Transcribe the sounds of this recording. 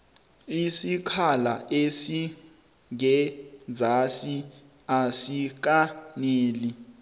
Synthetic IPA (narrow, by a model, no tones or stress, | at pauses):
isikʰalaʔesi | ŋɛd͡zʱasi | asik̬aneːli